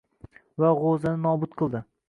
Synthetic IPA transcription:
vaʁozɪnɪnɒbʊt̪̚qʰɨlˠd̪ɪ

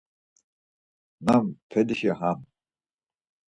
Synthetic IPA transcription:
nampʰɛd̪iʃɛɦam

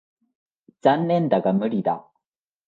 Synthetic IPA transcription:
d͡zanːẽnd̪aɡamɯ̟ɾʲid̪a

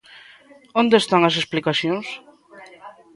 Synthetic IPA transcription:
õnd̪est̪aŋɐs̬esplikaθjoŋs

